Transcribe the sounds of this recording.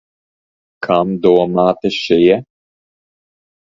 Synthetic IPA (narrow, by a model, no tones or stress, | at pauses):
kʰamd̪uɔmaːt̪ɨʃɪjɛ